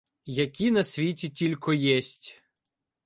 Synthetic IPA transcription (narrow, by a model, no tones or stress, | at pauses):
jɐkʲinɐsʲʋʲitʲitʲilʲkɔjɛsʲtʲ